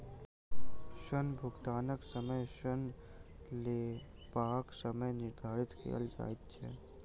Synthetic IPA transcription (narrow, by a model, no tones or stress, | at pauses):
ʃənbʱʊɡt̪aːnəksəməjʃən | le | paːksəməjnɪɾd̪ʱaːɾɪt̪kʰḛjə̰ld͡ʒa̰ːjt̪t͡ʃʰɛ̰ː